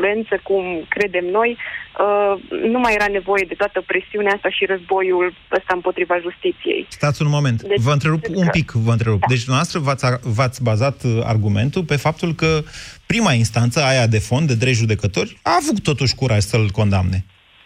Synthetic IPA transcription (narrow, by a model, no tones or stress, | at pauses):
lue̞nt̪səkumkɾe̞d̪e̞mno̞jənumajeɾane̞vo̞je̞d̪e̞t̪oat̪əpɾesiuneaast̪aʃiɾəzbo̞jul | əst̪aɨmpo̞t̪ɾivaʒust̪it̪sijḛjst̪at̪sʲunmo̞me̞nt̪d̪vəɨnt̪ɾe̞ɾupumpikvəɨnt̪ɾe̞ɾupd̪et͡ʃʲd̪unavast̪ɾəvat̪sʲavat̪sʲbazat̪a̰rɡume̞nt̪ulpe̞fap̚t̪ulkəpɾimainst̪ant̪səajad̪e̞fo̞nd̪d̪ed̪ɾe̞jʒud̪e̞kət̪o̞rʲavukt̪ːo̞t̪uʃʲkuɾʔaʒsəlko̞nd̪a̰mne̞